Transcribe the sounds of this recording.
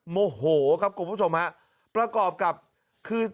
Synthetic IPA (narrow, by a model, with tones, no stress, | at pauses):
moː˧hoː˩˦kʰa˦˥p̚ku˨˦mpʰːu˦˥˩t͡ɕʰo˧mha˦˥ʔ | pɾa˧kɔː˨˩p̚ka˨˩p̚ | kʰɯː˧